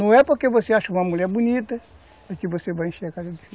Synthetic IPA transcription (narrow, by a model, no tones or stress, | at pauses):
nɐ̃w̃ɛpoɾkevoseaʃɐũmɐmuʎɛɾbunit̪ɐ | ɛkɪvosevajẽʃeɾakazɐd̪ifi